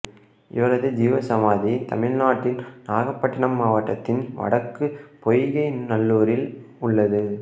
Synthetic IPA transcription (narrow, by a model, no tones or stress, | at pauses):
ʔɪ̰ʋɐɾɐðɯd͡ʒiːʋɐsɐmaːðit̪ɐmɪɻnaːʈːɪnnaːɣɐpːɐʈːɪɳɐmːaːʋɐʈːɐt̪ːɪnʋɐ̰ɽɐkːɯpɔjɣɐɪnɐlːuːɾɪl | ʊɭːɐðɯ